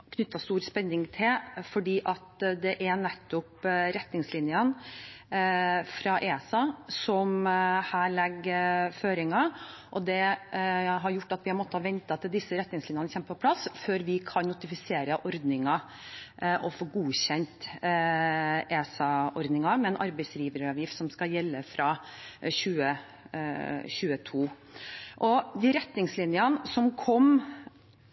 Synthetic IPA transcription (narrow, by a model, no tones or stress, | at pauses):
kʰnʏt̪ːɑst̪uːɾspɛnːɪŋt̪ʰɪlfɔɖiːʔɑt̪d̪ɛʔænɛt̪ːʊpɾɛt̪nɪŋslɪnjən | fɾɑʔeːsɑsɔmhæːɭɛɡføːɾɪŋɑʔɔd̪ɛ | ɦɑɾjʊʈːɑt̪ʋɪhɑmɔt̪ːəhɑʋɛnt̪ɑt̪ʰɪld̪ɪsːəɾɛt̪ːnɪŋslɪnjɑnəçɛmːəpʰɔpʰlɑsføːɾʋɪkʰɑnnʊt̪ɪfɪseːɾəʔɔɾd̪nɪŋɑ | ʔɔfoːɡuːɕɛnt̪ | ʔeːsɑʔɔɾd̪nɪŋɑmɛɛːnʔɑ̰ɾbɛɪsɾiːʋəɾəɑʋjɪft̪sɔmskɑjɛlːəfɾɑɕʉːə | ɕʉːət̪ʰuː | ʔɔd̪ɪːɾɛt̪nɪŋslɪnjənsɔmkʰɔm